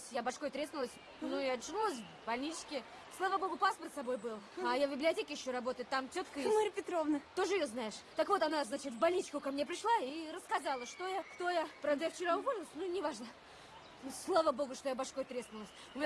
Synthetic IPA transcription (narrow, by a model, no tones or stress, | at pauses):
sʲjabɐʂkojt̪ɾʲesnʊlˠəsʲ | nuɐt̪ʐɨnulˠəs̬ʲ | bɐlʲnʲit͡ɕkʲɪ | slˠavəbo̞ɡʊpaspərt̪sɐbo̞jbɨlˠɐjavbʲɪblʲɪɐtʲekʲɪjɪɕːo̞ɾɐbo̞t̪əjɪt̪ːamtʲot̪kəmoɾʲɪpʲɪt̪ɾovnət̪o̞ʐɨɪjoznajɪʂt̪əkvo̞t̪ɐnaznat͡ɕɪt̪vbɐlʲnʲit͡ɕkʊkɐmnʲep̬ɾʲɪʂlˠaiɾəskɐzalˠəʂt̪o̞jakt̪o̞japɾavd̪əjaft͡ɕɪɾaʊvo̞lʲɪlˠəsʲnunʲɪvaʐnə | slˠavəbo̞ɡʊʂt̪ojabɐʂko̞jt̪ɾʲesnʊlˠəsʲ | ʊmʲɪ